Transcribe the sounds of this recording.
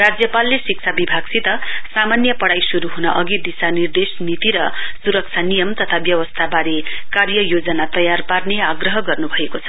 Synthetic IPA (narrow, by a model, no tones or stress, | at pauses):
rad͡zjʌpalːesik̚t͡sʰabibʱaɡsʰit̪ʌsamanjʌpʌɽajsuɾuɦunʌʔʌɡid̪isanird̪esnit̪iɾʌsuɾʌk̚t͡sʰanijʌmt̪ʌt̪ʰabjʌwʌst̪ʰabaɾekarjʌjod͡zʌnat̪ʌjarparneaɡrʌɦʌɡʌrnubʱʌekot͡sʰʌ̥